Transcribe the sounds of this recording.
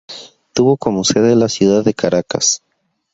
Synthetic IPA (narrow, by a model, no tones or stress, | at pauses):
t̪uβo̞ko̞moseðelasjuðaðːe̞kaɾaka̰s